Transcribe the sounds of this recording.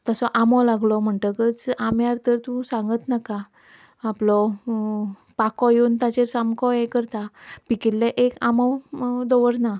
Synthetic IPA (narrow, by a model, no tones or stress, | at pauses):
t̪əsɔʔamɔlaɡlɔm̤əɳʈəkət͡samjaɾt̪əɾt̪ũsãŋɡət̪nakaː | plɔ | pakɔjunt̪at͡ɕeɾsamkɔɛkəɾt̪apikilːɛʔekamɔwd̪ɔʋəɾna